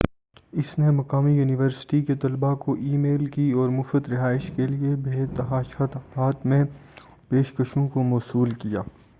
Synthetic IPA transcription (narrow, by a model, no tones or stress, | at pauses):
ɪsnemɐqaːmijuːnɪʋəɾsɪ̥ʈiket̪ɐlbakoʔiːmeːlkiɔːɾmʊfət̪ɾɪɦaːɪʃkeliebʱeːt̪ɐɦaːʃat̪ɐbaːt̪mẽ | peːʃkəʃõkomɔːsuːlkijaː